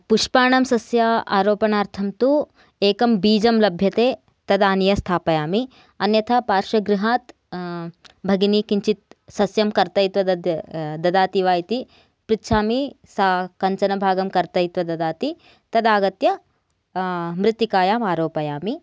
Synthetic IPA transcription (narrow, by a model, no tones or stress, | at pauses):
puʂpaːɳɐmsɐsjɐa̰ːɾoːpɐnaːɾt̪ʰɐmt̪u | eːkɐmbiːd͡ʒɐmlɐbʱjɐt̪eː | t̪ɐd̪aːnijɐst̪ʰaːpɐjaːmi | ɐnjɐt̪ʰɐpaːɾʃɐɡɾiɦaːt̪ | bʱɐɡinikiɲt͡ʃit̪̚sɐsjɐmkɐɾt̪ɐjt̪ʋɐd̪ɐd̪ɐd̪aːt̪iʋaːjt̪i | pɾit̪ːʃʰaːmisakɐɲt͡ʃɐnɐbʱaːɡɐmkɐɾt̪ɐjt̪ʋɐd̪ɐd̪aːt̪i | t̪ɐd̪aːɡɐt̪jɐ | mɾɪt̪ːikaːjaːmaːɾoːpɐjaːmi